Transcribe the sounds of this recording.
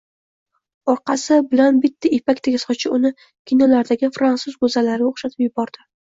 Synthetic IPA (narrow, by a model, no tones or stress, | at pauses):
ɒɾqɑsɪbɪlanbɪt̪ʰːaepakʲt̪ʰaɡʲasɒt͡ʃʰɪʊnɪ | kʲʰinɒlaɾd̪aɡʲɪfɾansʊzɡɵzalaɾoχʃat̪ʰɪpjʊbɒɾd̪̥ɪ